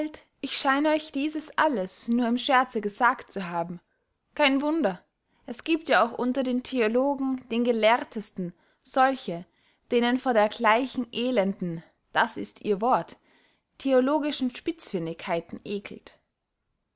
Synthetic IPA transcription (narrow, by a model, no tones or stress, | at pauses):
alt | ʔɪçʃaɪnəɔʏçd̥iːzəsʔaləsnuːɐɪmʃɛɐt͡səɡəzaːktt͡suɦaːbm̩ | kʰaɪnvʊndɐ | ʔɛsɡ̥iːp̚tjaːaʊxʔʊntɐdeːntʰeoloːɡŋ̩d̥eːnɡəlɛɐtʰəstn̩ | z̥ɔlçə | d̥eːnənfoːɐdeːɐɡlaɪçn̩ʔeːlɛndn̩ | d̥asɪ̰stʰʔḭːɐvɔɐt | tʰeoloːɡɪʃn̩ʃpɪt͡sfɪnɪkʰhaɪtn̩ʔeːkʰl̩t